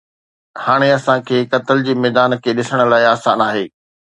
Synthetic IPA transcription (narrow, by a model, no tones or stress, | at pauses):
haːɽ̃eɐsãkʰeːkɐt̪əld͡ʑiːmɛːd̪aːnkʰeːɗɪsəɽ̃ə̆laːɪaːsa̰ːnaːɦeː